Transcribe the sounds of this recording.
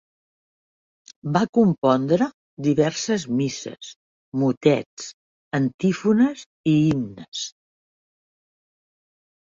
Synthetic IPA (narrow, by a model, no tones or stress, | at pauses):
bakumpɔnd̪ɾə | d̪iβɛɾsəzmisə̰s | mut̪ɛt͡s | ənt̪ifunəz | iimnəs